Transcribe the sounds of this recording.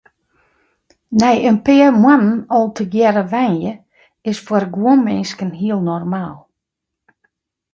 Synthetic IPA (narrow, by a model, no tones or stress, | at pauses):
nɛjənpɪəmwanənɔlˠtʰəɡjɛɾəʋɛnjə | ɪsfərɡwuənmɪnskənɦiəlˠnɔrmaːlˠ